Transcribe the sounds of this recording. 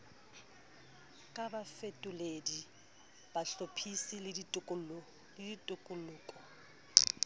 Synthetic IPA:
kʼabafetʼʊledi | b̥aɬopʰisilɪ | lɪditʼʊkʼʊlʊːkʼɔ

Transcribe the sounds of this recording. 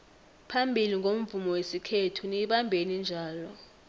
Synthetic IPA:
pʰambʱiliŋʱom̩vumɔwesikʰetʰuniɓambʱenind͡ʒʱaːlɔ

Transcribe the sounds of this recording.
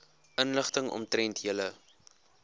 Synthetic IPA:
ʔənləχtəŋɔ̰mtrɛntɦiələ

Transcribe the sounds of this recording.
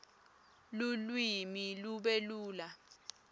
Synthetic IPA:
lulwimiluɓeluːla

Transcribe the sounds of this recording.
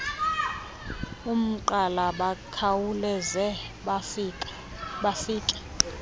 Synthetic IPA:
um̩ǃalaɓakʰawulɛzɛ | ɓafiːkʼɛ̥

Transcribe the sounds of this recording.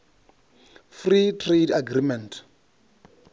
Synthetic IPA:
fritʰredaɡrimɛnt

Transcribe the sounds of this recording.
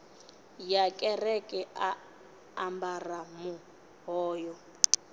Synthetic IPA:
jakʼɛrɛkʼɛa | ambaramu | ɦɔːjɔ

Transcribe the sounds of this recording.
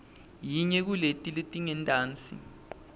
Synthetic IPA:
jiɲɛk̬uletʼiletʼiŋɛntʼaːnt͡sʼḭ

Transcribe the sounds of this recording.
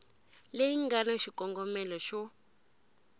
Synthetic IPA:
lejiŋɡanaʃikɔŋɡɔmɛlɔʃɔ

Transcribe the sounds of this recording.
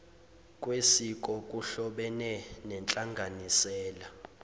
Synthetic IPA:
kʼwesikʼɔkʼuɬɔɓɛnɛnɛnt͡ɬʼaŋɡʱanisɛːla

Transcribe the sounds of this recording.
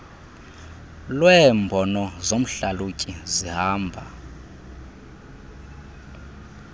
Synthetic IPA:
lwɛmbʱɔnɔzom̩ɬalucʼizihaːmbʱa

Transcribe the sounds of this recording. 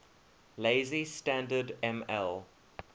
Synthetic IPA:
leɪzistæ̃ndədɛ̃mɛ̰l

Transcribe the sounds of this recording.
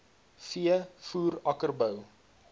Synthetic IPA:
fiəfuːɾɐkərbəw

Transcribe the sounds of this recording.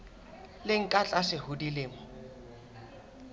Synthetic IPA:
lɪŋ̩kʼat͡ɬʼaʂɪhʊdilɪːmɔ

